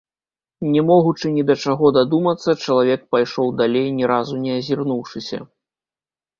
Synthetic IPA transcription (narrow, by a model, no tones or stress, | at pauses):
nʲɛmɔɣut͡ʂɨnʲid̪ɐt͡ʂaɣɔd̪ad̪umɐt̪sːɐt͡ʂɐlˠavʲɛk̚pajʂɔwd̪alʲejnʲɛɾazunʲɛɐzʲirnuwʂɨsʲɐ̰